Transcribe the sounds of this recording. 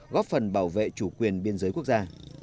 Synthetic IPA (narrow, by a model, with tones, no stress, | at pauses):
ɣɔ˦˥p̚fə˨˩nɓaː˧˩wvḛ˧˨t͡ɕu˧˩kwi˨˩ənɓi˧ənzəː˨˦jku˦˥ək̚zaː˧